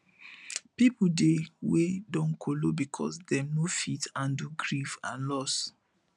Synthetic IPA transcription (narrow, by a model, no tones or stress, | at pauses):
pipudewedɔ̃nkʰolobikʰɔ̰sdɛ̃mnofitãnduɡɹifã̰nlɔs